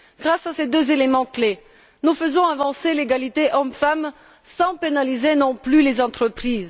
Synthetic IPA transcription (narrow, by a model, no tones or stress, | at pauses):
ɡ̥ʁasased̪øzelemɑ̃kle | nufəzɔ̃avɑ̃seleɡalit̪eʔɔmfam | sɑ̃penalizenɔ̃plylezɑ̃t̪χəpχiːz